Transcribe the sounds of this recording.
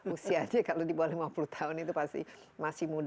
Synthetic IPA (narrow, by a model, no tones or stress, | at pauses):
usiad̪iekalodibɔlemɔpɾut̪ʰaonit̪opasḭmasimuɖ